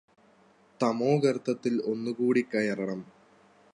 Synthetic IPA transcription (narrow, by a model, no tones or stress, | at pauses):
t̪ɐmo̞ːɡɐrɨt̪ʰːɐt̪ːilo̞nːukuːɽikːɐjɐrɐɳɐm